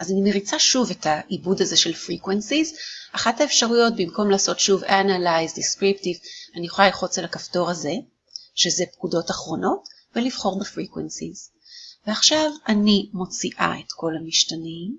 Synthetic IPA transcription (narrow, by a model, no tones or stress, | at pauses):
ʔazanimeʁit͡saʃuvetaʔibudaze̞ʃe̞lfʁikwensizʔaχathaefʃaʁujo̞t̚bimko̞mlaːso̞tʃuvanalajzdiskʁiptivanijeχolaliχo̞t͡salakafto̞ʁaze̞ | ʃeze̞pkudo̞taχʁo̞no̞t | veliv̥χo̞ʁbefʁikwensiz̥ | veaχʃavanimo̞t͡siʔa̰etko̞lamiʃtanim